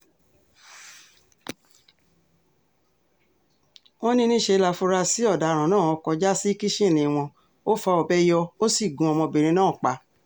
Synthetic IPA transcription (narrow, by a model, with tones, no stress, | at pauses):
o˦nĩ˦nĩ˦ʃe˧la˧fu˧ɾa˧si˨˦ɔ˦˨da˨ɾ̃ã˨nãː˦˨ɔ˧kɔ˧d͡ʒa˦si˦ki˦ʃẽ˦˨nĩ˧˨w̃ɔ̃˧ | o˦fɔ˧˦ɔ˨bɛ˦jɔ˧o˦si˦˨ɡũ˨˧ɔ˧mɔ̃˧be˨ɾ̃ĩ˧nãː˦˨k͡pa˧